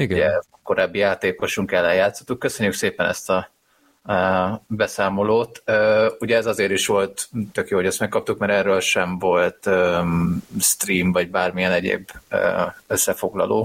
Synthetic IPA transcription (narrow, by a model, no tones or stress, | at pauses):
iɡɛ | ko̞ɾaːbːijaːt̪eːko̞ʃuŋkɛlːɛjaːt̪sot̪ːukːøsø̞ɲːykseːpɛnɛ̰st̪ɒ | bɛsaːmo̞loːt̪øːuɟɛːzɒzeːɾiʃʋo̞lt̪t̪ːø̞kjoːɦo̞ɟɛst̪mɛkːɒp̚t̪ukmɛɾɛrːøːlʃɛɱvo̞lt̪ø | st̪riːmvɒɟ̚baːrmijɛnɛɟḛːbø̰ːøsːɛfo̞ɡlɒ̰loː